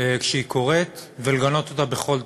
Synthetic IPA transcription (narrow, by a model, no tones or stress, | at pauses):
kʃeikʰo̞ʁet̪veleɡano̞t̪ot̪abeχo̞l